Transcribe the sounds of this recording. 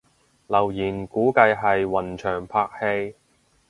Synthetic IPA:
lɐ˨˩wjiː˨˩nkuː˨˥kɐ˧jɦɐ˨jwɐ˨˩nt͡ʃʰœː˨˩ŋpʰaː˧k̚he˧j

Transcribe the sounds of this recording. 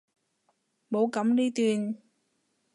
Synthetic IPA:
ɓo˧˨˦kə˧˥˦mɗi˧t̪wi˨˩ən

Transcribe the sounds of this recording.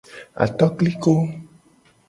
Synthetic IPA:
a̰˨t̪ɔ˦kli˦ko˦

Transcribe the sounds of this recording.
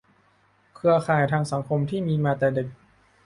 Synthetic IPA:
kʰɯ˧ɐkʰaː˨˩jt̪ʰaː˧ŋsa˩˦ŋkʰo˧mt̪ʰiː˥˩miː˧maː˧t̪ɛː˨˩de˨˩k̚

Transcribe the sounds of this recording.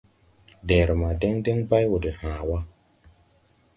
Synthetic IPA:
de˨ɾma˨de˦ŋde˦ŋba˦jwo˨de˨hãː˨wa˦

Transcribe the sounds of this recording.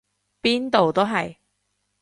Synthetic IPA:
piː˥nt̪o˨wt̪o˥wɦɐ˨j

